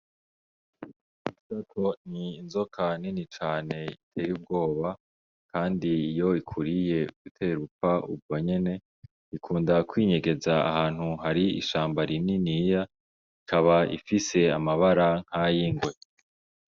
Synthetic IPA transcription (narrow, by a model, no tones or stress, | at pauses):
isatʰo̞niːnzo̞kʰaninit͡ʃaːne̞itʰeːjub̚ɡo̞ːβa | kʰaːndiːjo̞ikʰuɾije̞ɡitʰeɾupfaṵb̚ɡo̞ɲe̞ne̞ | ikʰuːndakwiːɲe̞ɡe̞zaa̰haːn̥huɦaɾiḭʃaːmbaɾininija | ikʰaβaḭfise̞amaβaɾaŋ̥hajiŋɡwe̞